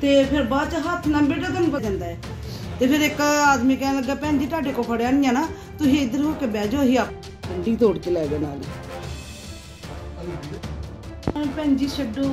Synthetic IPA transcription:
t̪eːpʰɪɾbaːd̪t͡ʃɦət̪ʰnəmbeːʈət̪ːnukəd͡ʒãːnd̪aːɛː | t̪eːpʰɪɾɪkaːd̪mĩːkɛːnaːləɡaːpɛ̃ːɲd͡ʒiːʈaːɖeːkoːpʰəɽeaːnɪjãːnaː | t̪ʊsĩːɪd̪əɾɦoːkebɛːd͡ʒoːɦiːaːp̚ | kəɳɖiːt̪oːɽkeːlɛːɡeːna̰ːlḭː | ɛ̃pɛːɲd͡ʒiːsəɖoː

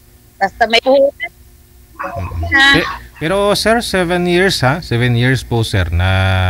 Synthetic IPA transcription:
b̥ast̪amɐjbuhuɛ | aɛpɛɾosɛɾsɛvɛnjiɹshasɛvɛnjiɹspusɛɾna

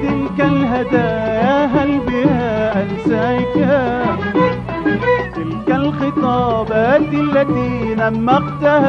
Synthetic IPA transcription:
t̪ɪlkalɦad̪aːjaɦalbɪhaːʔansaːʔɪkhaː | t̪ɪlkalxɨt̪ˤɑːbaːt̪ʔalːat̪iːnamːɑqt̪ah

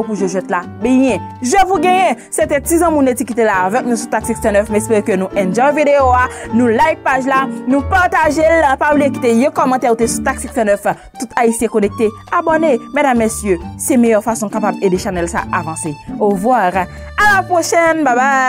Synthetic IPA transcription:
puʒoʒwɛt̪la | bɛjɛ̃ʒəvuɡɛ̃jɛ̃ | sɛt̪ɛ̃tizãmũnetikit̪elaːvɛk̚nũsut̪ak̚siksɛnœfmɛspeʁekønũʔɛ̃nd͡ʒɔ̃vid̪eoanũlajk̚paʒlanũpaʁt̪aʒelpaublijekit̪ejɛ̃kɔmɑ̃t̪ɛʁut̪esut̪ak̚siksɛnœf | t̪ut̪ʰaisjekonɛk̚t̪e | abɔnemedamːesjøsɛmejœʁfasɔ̃kapabedeʃanɛlsa̰ʔavɑ̃seɔvwaʁ | alapʁoʃɛnbaba

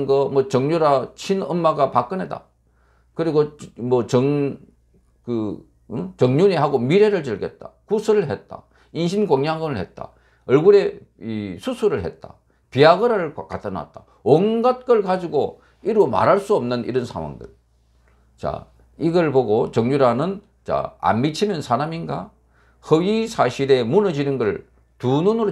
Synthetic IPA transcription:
nɡʌmʌt͡ɕʌŋɲoɾat͡ɕʰinʌmːaɡapak͈ɯnɦeda̰ | kɯɾiɡomʌt͡ɕʌŋ | kɯ | ɯt͡ɕʌŋɲuɲiɦaɡomiɾeɾɯɭt͡ɕɯɭɡe̞̰t̚t͈akusʰɯɾɯɭɦet̚t͈a̰ | inɕʰinɡoŋjaŋɯnɯɭhet̚t͈a̰ | ʌɭɡuɾe̞isʰusʰuɾɯɭɦe̞t̚t͈a̰ | piaɡɯɾaɾɯɭkat͈ʌna̰t̚t͈a | onɡat̚k͈ʌɭkad͡ʑiɡo | iɾoma̰ɾaɭs͈uʌmnɯnḭɾʌnsʰa̰ŋwa̰ŋdɯ̰ɭ | t͡ɕa̰ | iɡʌɭboɡot͡ɕʌŋɲuɾanɯn | t͡ɕa̰a̰nmit͡ɕʰimjʌnsʰaɾaminɡa̰ | hɯwisʰaɕʰiɾe̞munɯd͡ʑinɯnɡʌɭ | tununɯɾo

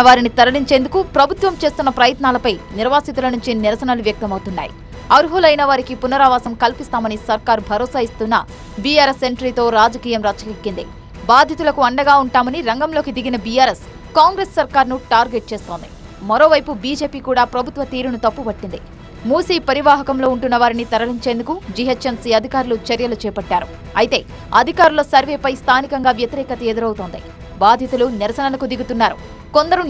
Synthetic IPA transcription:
ɐʋaːɾinit̪ɐɾɐliɲt͡ʃe̞ːnd̪ukupɾɐbʱut̪ʋɐmt͡ʃe̞ːst̪unːɐpɾɐjɐt̪naːlɐpɐjniɾʋaːsit̪ulɐnuɲt͡ʃiniɾɐsɐnɐluʋjɐk̚t̪ɐmɐwt̪unːa̰ːjḭ | ɐɾuɦulɐjnɐʋaːɾikipunɐɾaːʋaːsɐmkɐlpist̪aːmɐnisɐɾkaːɾbʱɐɾɔːsaːist̪unːɐ̰ | bijaːɾesːeɳʈɾiːt̪o̞ːɾaːd͡ʒɐkiːjɐmɾaːt͡ʃːɐkikːind̪ḭ | baːd̪ʱjɐt̪ulɐkuɐɳɖɐɡaːuɳʈaːmɐniɾɐŋɡɐmlo̞ːkid̪iɡinɐbijaːɾe̞s | kaːŋɡɾeːsːɐɾkaːɾnuʈaːɾɡeːʈ̚t͡ʃe̞ːst̪o̞ːnd̪i | mɐɾo̞ːʋɐjpubiːd͡ʒe̞ːpiːkuːɽaːpɾɐbʱut̪ʋɐt̪iːɾunut̪ɐpːubɐʈːind̪ḭ | muːsiːpɐɾiʋaːɦɐkɐmlo̞ːuɳʈunːɐʋaːɾinit̪ɐɾɐliɲt͡ʃeːnd̪ukud͡ʒiɦɐt͡ʃɐnsiːɐd̪ʱikaːɾulut͡ʃɐɾjɐlut͡ʃɛːpɐʈːaːɾṵ | ɐjt̪e̞ː | ɐd̪ʱikaːɾulosɐɾʋeːpɐjst̪ʰaːnikɐŋɡaːʋjɐt̪iɾɛːkɐt̪ɐed̪uɾɐwut̪oːnd̪ḭ | baːd̪ʱjɐt̪uluniɾɐsɐnɐlɐkud̪iɡut̪unːaːɾu | ko̞nd̪ɐɾu

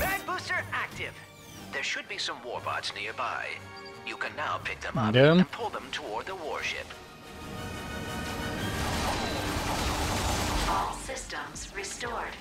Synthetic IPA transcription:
æd̚bustə˞æk̚tɪv̥ | ðə˞ʃɨd̚bisʌ̃mwɔɹbɑ̰tsnɪɹba̰ɪ | jɨkʰɨ̃nːaʊpʰɪk̚ðə̃madəñnpʰʊlˠðə̃mtʰəwɔɹd̪̚ðəwɔ̰ɹʃɪ̰p | fɔlˠsɪstə̃mz̥ɹistɔɹd̥

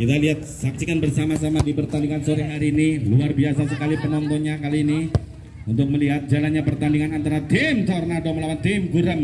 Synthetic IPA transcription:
kit̪aliɦat̪̚sap̚sikanbərsamas̬amadipərt̪andiŋansoɾiɦaɾiːniluarbias̬as̬əkalipənɔnt̪ɔnɲakaliːni | unt̪ʊk̚məliɦat̪̚d͡ʒalanɲapərt̪andiŋanant̪aɾad̪ɪmt̪ɔrnadoməlawant̪ɪmɡuɾam

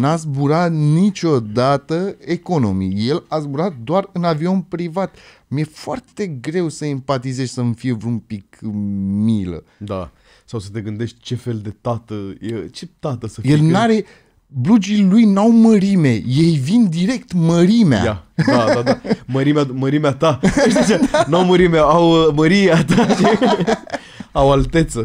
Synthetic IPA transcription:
nazbuɾat̪nit͡ʃʲo̞d̪at̪əe̞ko̞no̞mḭje̞lazbuɾat̪̚d̪oarɨnavio̞npɾivat̪ | mje̞foart̪e̞ɡɾe̞wsəempat̪ize̞ʃʲsəmfijevɾuumpik | milə̰d̪a | sawsət̪e̞ɡɨnd̪e̞ʃt̪ʲt͡ʃe̞fe̞ld̪e̞t̪at̪əjet͡ʃet̪at̪əsəfjelnaɾe̞ | blud͡ʒilujnawməɾime̞je̞jvind̪iɾe̞kt̪məɾimea̰j̪aad̪ad̪aməɾimeaməɾimeat̪aeʃd̪it͡ʃenawməɾimeaawəməɾijeat̪aʃi | awalt̪e̞t̪sə

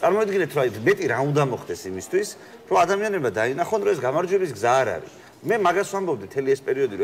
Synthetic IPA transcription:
t̪sʼaɾmɔid̪ɡinɛt̪ʰɾɔajmɛt̪ʼiɾaund̪amɔχd̪ɛsimist̪ʰwis | ɾɔad̪amianɛbmad̪ainaχɔnɾɔɛsɡamaɾd͡ʒwɛbisɡzaːɾa̰ɾḭ | mɛmaɡaswambɔb̚d̪it̪ʰɛliɛspʼɛɾiɔd̪iɾɔ

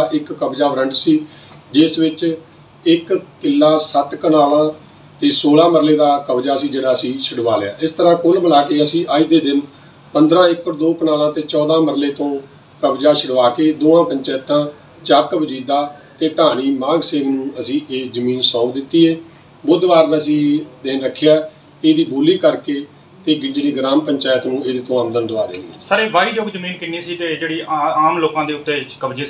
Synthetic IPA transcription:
ʔɪkːəbd͡ʒaːʋəɾəɳɖsiː | d͡ʒɪsʋɪt͡ʃ | ɪkkɪlːaːsət̪kənaːlãː | t̪eːsoːlãːməɾleːd̪aːkəbd͡ʒaːəsĩːd͡ʒeːɽaːəsĩːʃəɽʋaːlea̰ːʔɪst̪əɾãːkʊlbəlaːkeːəsĩːʔaːiːd̪eːd̪ɪn | pənd̪ɾãːɪkːəɾd̪oːkənaːlãːt̪eːt͡ʃɔːd̪ãːməɾleːt̪õː | kəbd͡ʒaːʃʰəɽʋaːkeːd̪oːãːpəɲt͡ʃɛ̃ːt̪ãː | t͡ʃaːkəbd͡ʒiːd̪aːt̪eːʈaːɽ̃iːmãːɡseːɡnũːəsĩːʔeːzəmĩːnsɔːkd̪ɪt̪ːiːeː | bʊd̪ʋaːɾnəsĩːd̪eːnɾəkʰːjaː | eːd̪iːboːliːkəɾkeː | t̪eːɡɪnd͡ʒɽiːɡɾaːmpəɲt͡ʃaːjət̪nũːeːd̪eːt̪õːəmd̪ənd̪əaːɾeːieːsaːɾeːʋaːiːd͡ʒoːɡd͡ʒəmiːnkɪnːeːsiːt̪eːd͡ʒeːɽiːaːmloːkãːd̪eːʊt̪ːeːt͡ʃkəbd͡ʒeː

